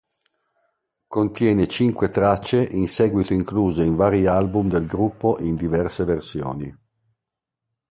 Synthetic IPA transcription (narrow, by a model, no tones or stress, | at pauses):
kont̪jɛːnet͡ʃiŋkwet̪ɾat͡ʃːeʔinsɛːɡwit̪oiŋkluːzeiɱvaːɾialbumd̪elɡɾupːoʔind̪ivɛrseversjo̰ːni